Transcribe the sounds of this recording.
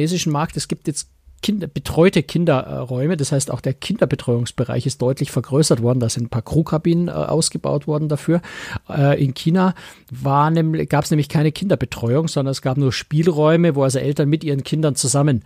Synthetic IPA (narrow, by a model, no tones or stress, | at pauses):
eːzɪʃn̩maɐk̚tɛsɡ̥iːp̚tjɛt͡st | kʰɪndɐb̥ətʁ̥ɔʏtəkʰɪndɐʁɔʏməd̥ashaɪstaʊxd̥eːɐkʰɪndɐbətʁ̥ɔʏʊŋsb̥əʁa̰ɪçɪst̚d̥ɔʏtʰlɪçfɛɐɡʁøːsɐtv̥ɔɐdn̩daz̥ɪntnpʰaːɐkʁ̥uːkʰabiːnən̰ʔa̰ʊsɡ̥əba̰ʊtv̥ɔɐdn̩dafyːɐɛːʔɪnkʰiːna | vaːɐnɛmɡ̥aːpsnɛːmlɪçkʰaɪnəkʰɪndɐbətʁ̥ɔʏʊŋzɔndɐnɛsɡ̥aːpnuːɐʃpiːlʁɔʏməvoːalzoʔɛltɐnmɪtʔiːʁənkʰɪndɐnt͡suzamən